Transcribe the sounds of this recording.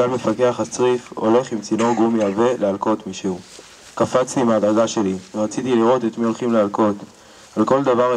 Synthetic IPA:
alme̞fake̞aχat͡sʁifo̞̰le̞χimt͡sino̞ɡumjave̞lealko̞t̪miʃeu | kafat͡st̪iːmaːd̪aɡaʃe̞liʁat͡sit̪iliʁo̞t̪et̪mio̞lχimlealko̞t̪ | alko̞ld̪avaʁ

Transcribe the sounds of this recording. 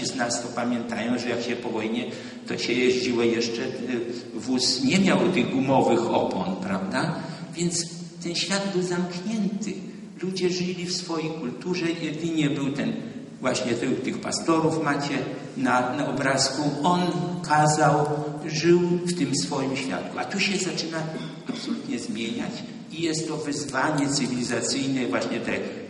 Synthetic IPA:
iznast̪ɔpamʲjɛnt̪ajɔ̃w̃ʐɛjakɕɛpɔvɔjɲɛ | t̪ɔɕɛjeʑd͡ʑiwɔjɛʂt͡ʂɛ | vusɲɛmʲjawt̪ɘɣɡumɔvɘxɔ̰pɔ̰npɾavd̪a | vʲjɛnt̪s | t̪ɛnɕfʲjad̪bɘwzamkɲɛnt̪ɨ̰ | lud͡ʑɛʐɘlʲifsfɔjejkult̪uʐɛjɛd̪ɘɲɛbɘwt̪ɛn | vwaɕɲɛt̪ɛt̪ɘxpa̰st̪ɔɾufmat͡ɕɛ | nanaʔɔbɾaskuɔnkazawʐɘwft̪ɘmsfɔjimɕfʲja̰t̪kuat̪uɕɛzat͡ʂɘna | apsɔlut̪ɲɛzmʲjeɲa̰t͡ɕ | ijɛst̪ːɔvɘzvaɲɛt̪sɨvʲilʲizat̪sɘjnɛvwaɕɲɛt̪ɛ

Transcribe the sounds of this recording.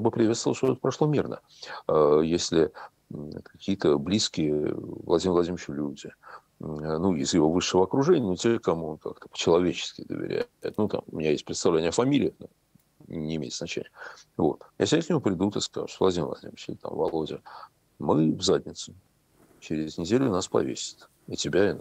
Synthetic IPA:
jabɨpɾʲɪvʲet̪st̪vlˠʂt̪ot̪ɛt̪̚pɾɐʂlˠo̞mʲirnə̰ | əjesʲlʲɪ | kɐkʲijət̪əblʲiskʲɪjəvlˠɐdʲimvlˠɐdʲimʲɪɪt͡ɕʊlʲudʲɪ | nuɪzjɪvo̞vɨʂːəvəɐkɾʊʐɛnʲɪənotʲekɐmuonka̰kt̪əpə̥t͡ɕɪlˠɐvʲet͡ɕɪ̥skʲɪd̪ə̰vʲɪ̰ɾʲæ̰jɪt̪nut̪a̰mʊ̰mʲɪnʲajesʲt̚ʲpɾʲɪt̪st̪ɐvlʲenʲɪəfɐmʲilʲɪːɪno | nʲɪɪːmʲejɪt̪zɐt͡ɕḛnʲɪjəvo̞t̪ja̰sʲɪbʲnɪknʲɪmupɾʲɪd̪ut̪ɨska̰ʐɨ̥t̪ovlˠɐdʲimʲɪvlˠɐ̰dʲḭmʲɪt͡ɕɪlʲɪt̪a̰mvɐ̰lˠo̞dʲɪə | mɨvzadʲnʲɪt̪sʊ | t͡ɕɪɾʲɪznʲɪdʲelʲʊnaspɐ̰vʲḛsʲɪ̥t̪ | ɪtʲɪbʲaɪn

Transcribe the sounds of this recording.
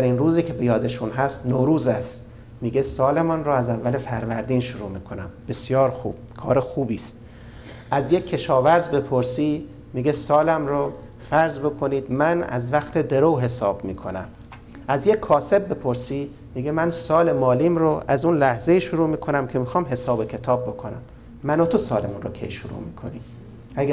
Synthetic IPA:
æɾinruːziːkʰe̞bejɒːd̪eʃunɦæst̪noːɾuːzæst̪ | miːɡe̞sɒːle̞mɒːnroæzævːæle̞fæɾvæɾd̪iːnʃuɾṵːmiːkʰonæmb̥e̞sjɒːɾxṵːb̥kʰɒːɾexuːbiːst̪ | ʔæzje̞cʰːe̞ʃɒːvæɾzbe̞pʰoɾsiː | miːɡe̞sɒːlæmɾo | fæɾzbo̞kʰoniːd̪mænæ̰zvæxt̪ʰe̞d̪e̞ɾowɦe̞sɒːbmiːkʰo̞næ̰m | æzje̞kʰːɒːse̞bːe̞pʰoɾsiː | miːɡemænsɒːle̞mɒːliːmɾoʔæzunlæhze̞iːʃuɾuːmiːkʰo̞næmcʰe̞mixɒːmɦe̞sɒːbekʰe̞t̪ʰɒːb̚ːo̞kʰonæ̰mː | ænot̪ʰosɒːlemunrokʲʰe̞̰jʃuɾṵmḭːkʰo̞̰niː | æɡæ

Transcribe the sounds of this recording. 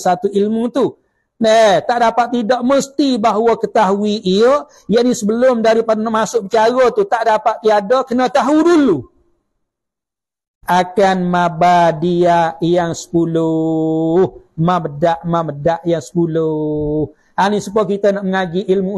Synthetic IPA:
sat̪uilmut̪u | nəht̪aʔdapat̪̚ːidɔʔməst̪ibaɦwɔkət̪aɦuiʔiə | jaʔnisəbəlʊmdaɾipadnaʔmasʊʔbət͡ʃaɾɔt̪ut̪aʔdapat̪̚t̪ːiadɔkənat̪aɦudulu | akanmabadiajaŋsə̥pulʊ | hmabədaʔmamədaʔjaŋsə̥pulʊh | anisupakit̪ənaʔməŋaɡiʔilmu

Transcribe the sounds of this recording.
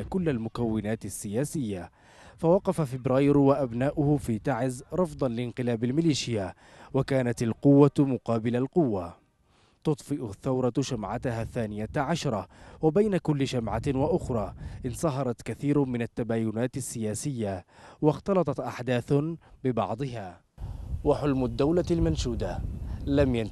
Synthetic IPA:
kʊlːalmʊkawːɪnaːt̪ɪsːɪjaːsɪjːa | fawɑqɑfafɪbɾaːjɾwaʔabnaːʔʊhʊfiːt̪aʕɪzɾˤɑfd̪ˤɑnlɪnqɨlaːbalmɪliːʃɪja | wakaːnat̪alqʊwːamʊqɑːbɪlalqʊwːa | t̪ʊt̪ˤfɪʔʊθːawɾˤɑʃamʕat̪ɦaːθːaːnɪjaʕaʃɾˤɑwabajnakʊlːɪʃamʕawaʔʊxɾˤɑːʔɪnsˤɑɦɑɾˤɑt̪kaθiːɾmɪnat̪ːabaːjʊnaːt̪asːɪjaːsɪjːawɑxt̪ɑlɑt̪ˤɑt̪ʔaħd̪aːθbɪbɑ̰ʕd̪ˤɨɦaː | waħʊlmʊd̪ːawlalmanʃuːd̪alamja

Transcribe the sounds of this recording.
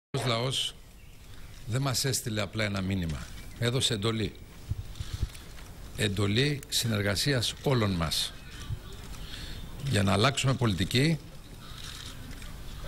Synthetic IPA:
ozlɐo̞s | ðe̞mɐse̞st̪ile̞ɐplɐe̞nɐminimɐ̰e̞ðo̞se̞end̪o̞li | e̞nd̪o̞lisine̞ɾɣɐsiɐso̞lo̞nmɐs | ʝɐnɐːlɐksume̞po̞lit̪ici

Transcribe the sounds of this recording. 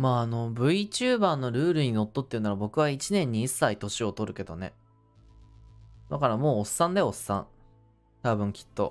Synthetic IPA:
maːno̞bɯ̟it͡ɕɨːbaːno̞ɾɯ̟ːɾɯ̟ɲ̟ino̞t̪ːot̪ːeiɯ̟naɾabo̞kɯ̟β̞ait͡ɕinẽ̞ɲ̟ːiːsːait̪o̞ɕio̞t̪o̞ɾɯ̟ke̞d̪o̞̰ne̞̰ | d̪akaɾamo̞ːsːãnd̪e̞o̞sːã̰ŋ | t̪abɯ̟̃ŋkʲi̥t̪ːo̞̰

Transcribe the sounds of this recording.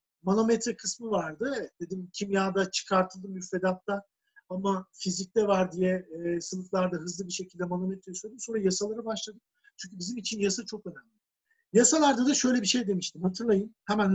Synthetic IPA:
mano̞met̪ɾɛkʰɯsmɯvaɾd̪ɯd̪̥e̞d̪imcʰimjaːd̪at͡ʃʰɯ̥kʰaɾt̪ʰɯlˠd̪ɯmːyɾfe̞d̪at̪ːa | amafizic̚d̪ɛvaɾd̪ijɛsɯnɯflˠaɾd̪aɦɯzlˠɯbiʃe̞cʰilʲd̪ɛmanomet̪ɾejisøjʲd̪imsoɾajasalˠaɾɯbaʃlˠad̪ɯk̚ | t͡ʃʰyɲʲc̬ʰybizimit͡ʃʰinjasat͡ʃʰo̞kønæmlʲɪ | jasalˠaɾd̪ad̪aʃø̞jlʲɛbiʃe̞jd̪e̞miʃt̪ʰimhat̪ʰɯɾlˠajɯnhɛmæn

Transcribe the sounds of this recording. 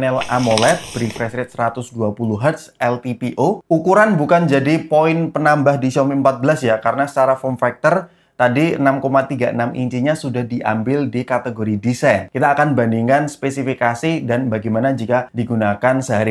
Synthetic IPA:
nɛla̰molɛt̪̚b̥ɾifɾɛsɾɛt̪̚səɾat̪ʊsduapuluɦət̪sɛlt̪ipiʔoukuɾanbukand͡ʒadipoɪnpənambahdisɔmiəmpat̪̚bəlasjakaɾənasə̥t͡ʃaɾafɔnfɛk̚t̪ər | t̪adiə̰namkomat̪iɡaʔənamḭɲt͡ʃiɲasudahdiʔa̰mbɪldikat̪eɡoɾidisajnkit̪aːkanbandiŋanspesifikasidanbaɡamanad͡ʒikadiɡunakansəɦaɾi

